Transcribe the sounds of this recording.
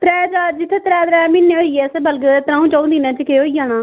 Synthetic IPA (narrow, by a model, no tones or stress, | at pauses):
t̪ɾɛːd̪aːd͡ʒɪt̪ʰːet̪ɾɛːd̪ɾaːmɪnːeːɦoːijɛːsbəlɡt̪ɾãːũːt͡ʃaũd̪iːnãːt͡ʃəkeɦoːijãːnaː